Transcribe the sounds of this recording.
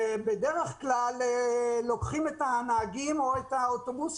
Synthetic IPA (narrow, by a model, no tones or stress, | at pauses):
ebe̞deʁeχklalelo̞kχimetanaːɡimo̞et̪aot̪obus